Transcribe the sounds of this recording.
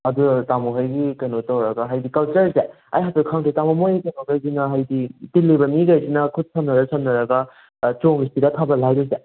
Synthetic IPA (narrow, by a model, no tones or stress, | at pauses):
ɐdutamuɦajɡikɐnotawɾɐɡɐɦajdikɐlt͡ʃɐɾse | a̰jɦatukʰaŋtitamumojkɐnoɡajsinɐɦajditilːibɐmiɡajsinɐkʰut̚sʰɐmnɐɾɐsɐmnɐɾɐɡɐ | t͡ʃoŋistidɐkʰabɐlajduze